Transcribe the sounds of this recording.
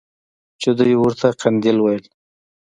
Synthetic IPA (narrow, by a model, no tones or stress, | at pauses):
t͡ʃed̪əjwʊɾt̪ʰaqand̪ilwajəl